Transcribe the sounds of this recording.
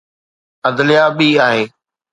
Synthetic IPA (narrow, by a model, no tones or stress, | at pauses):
əd̪lɪjaːɓiːaːɦẽː